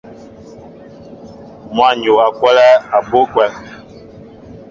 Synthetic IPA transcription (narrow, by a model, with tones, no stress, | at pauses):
mwa˦˨ɲo˨a˨kwa˦la˦a˨bo˦kwɛ˦˨l